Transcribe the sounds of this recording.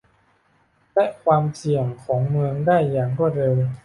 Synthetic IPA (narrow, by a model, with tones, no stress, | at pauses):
lɛ˦˥kʰwaː˧msi˨˩əŋkʰɔː˩˦ŋmɯ˧əŋdaː˥˩jːaː˨˩ŋbɔ˥˩ɾe˧w